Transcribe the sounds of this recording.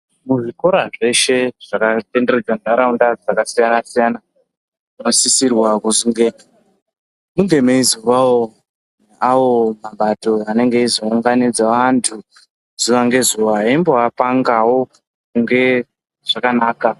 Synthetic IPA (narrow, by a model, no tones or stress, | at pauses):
muʐikoɾaʐe̞ʃe̞ʐ̥akate̞nde̞red͡zanaɾaundad͡zakasijanasijana | ino̞sisirwakuzuŋɡea | muŋɡe̞meizuʋawo | awo̞maɓato̞ane̞ŋɡeizouŋɡanid͡zaʋantʰu | z̥uʋaŋɡe̞zuʋaɦaimbo̞apaŋɡawo | kuŋɡe̞ | ʐ̥akanaːka